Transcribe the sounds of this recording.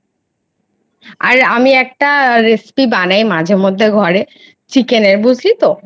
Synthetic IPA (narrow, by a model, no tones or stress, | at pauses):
aɾamiɛk̚ʈaɾespibanajmad͡ʑʱeɾmod̪ʱːeɡʱɔɾe | t͡ɕikeneɾbud͡ʑʱlit̪o